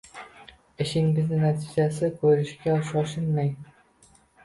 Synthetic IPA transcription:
ɪʃɪŋbɪznɪnat̪ʰid͡ʒasɪkʲʰɵɾɪʃkʲaʃɒʃɪnmaj

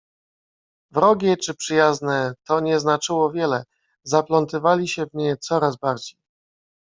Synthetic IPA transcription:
vɾɔɡʲɛt͡ʂɘpʂɘjaznɛt̪ɔɲɛznat͡ʂɘwɔvʲjɛlɛ | zaplɔnt̪ɘvalʲiɕɛvɲɛt̪sɔɾazbaɾd͡ʑej

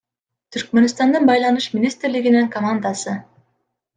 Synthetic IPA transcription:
t̪ʰyɾk̚mønst̪ɑnd̪ɯnbɑjlˠɑnuʃmʲɪnʲist̪ɾliɡiniŋkomand̪asɯ

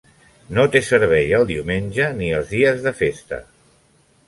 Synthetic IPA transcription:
not̪esəɾβ̞ɛjəlˠd̪iwmenʲʒəniəlˠzðiəzðəfest̪ə̰

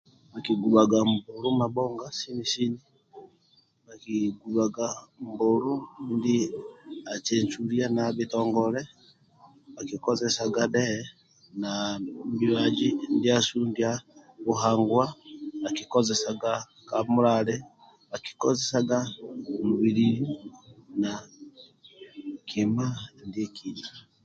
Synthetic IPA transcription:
βakiɡuβaɡambuɾumabɔŋɡasinisini | βakiɡuβaɡambuɾundi | at͡ʃeɲt͡ʃulianaβitɔːŋɡɔlɛ | βakikɔzɛsaɡaɗɛ | nabiβad͡ʒindiasundiaβuɦaːŋɡwaːkikozɛsaɡa | kamuɾalɛ | βaki̥kozesaɡamuβiɾiɾi | na | kʰimandiekʰiɲa

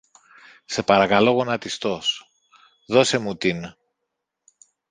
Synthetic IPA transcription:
se̞pɐɾɐkɐlo̞ɣo̞nɐt̪ist̪o̞s | ðo̞se̞mut̪in

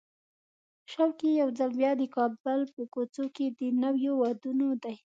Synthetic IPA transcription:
ʃawkejawzalbjɑd̪əkɑbəlpəkot͡soked̪ənawjowad̪unod̪aj

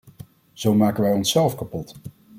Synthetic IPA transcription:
z̥owmaːkəʋɛjɔnsɛlˠfkapɔt

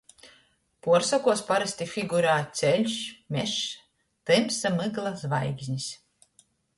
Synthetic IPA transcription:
puɔɾsakuɔspaɾɛsʲt̪ʲifiɡuɾaːt̪sʲɛlʲʃmʲɛʃ | t̪ɛmsamɨɡlˠazvajɡzʲɲis

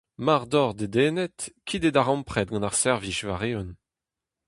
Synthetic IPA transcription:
maʁd̪ɔʁd̪ed̪eːnɛtkʰid̪ed̪aʁɑ̃mpχɛt̪̚ɡɑ̃naʁsɛʁviʃva̰ʁeɔn

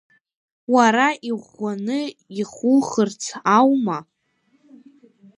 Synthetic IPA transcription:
waɾaʔiʁʷanɨiχʊlχərt͡sʰawma

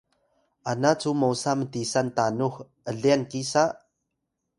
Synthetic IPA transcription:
ʔanat͡sumowsamət̪isant̪anux | ʔəɮiənkisaʔ

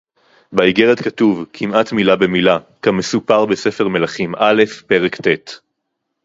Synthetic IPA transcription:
baiɡeʁetkatuvkʰimatmilabe̞mila | kame̞supaʁbe̞sefe̞ʁme̞laχimʔale̞fpe̞ʁektet

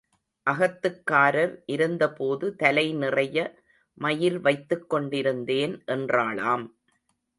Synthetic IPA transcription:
ʔɐɣɐt̪ːɯkːaːɾɐɾʔɪɾɯnd̪ɐpoːðɯt̪ɐlɐɪnɪrɐjɐ | mɐjɪlʋɐɪt̪ːɯkːɔɳɖɪɾɯnd̪eːnʔɛndraːɭaːm

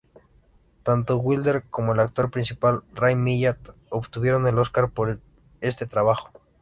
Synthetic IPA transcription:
t̪ant̪oɣwild̪eɾkomoelak̚t̪o̞ɾpɾinsipalrajmiʎaɾt̪opt̪uβjeɾone̞loskaɾpoɾ | est̪et̪ɾaβaxo̥

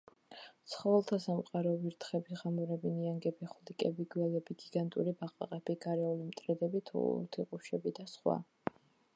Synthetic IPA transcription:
t̪sʰχɔvɛlˠt̪ʰasamqʼaɾɔviɾt̪ʰχɛbiʁamuɾɛbiniaŋɡɛbiχulikʼɛbiɡwɛlɛbiɡiɡant̪ʼṵɾibaqʼa̰qʼɛb̥iɡaɾɛulimt̪ʼɾɛd̪ɛbit̪ʰṵt̪ʰiqʼuʃɛbid̪asχwa̰

